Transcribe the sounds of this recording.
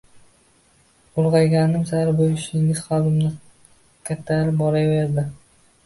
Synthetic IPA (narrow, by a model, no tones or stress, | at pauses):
ʊɾʁɑjɡʲanɪmsaɾbojɪʃnɪŋɪz̥χɑld̪ɪmnɪ | kʲʰat̪ʰːaɾɪbɒɾajve̞ɾd̪ɪ